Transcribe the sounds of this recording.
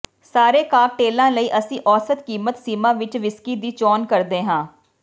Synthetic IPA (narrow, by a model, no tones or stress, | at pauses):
saːɾeːkaːk̚ʈeːlãːləiːʔəsĩːʔɔːsət̪kiːmət̪siːmãːʋɪt͡ʃʋɪskiːd̪iːt͡ʃɔːnkəɾd̪eːɦãː